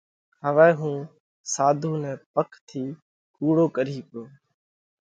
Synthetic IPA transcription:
ɦəʋɛːɦũː | saːd̪ʱuːnɛ̃ːpəkʰt̪ʰiː | kuːɽoːkəɾiːkoː

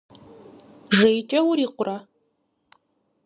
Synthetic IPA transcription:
ʐejt͡ʃʼɐwʊɾiːqʷʊrɐ

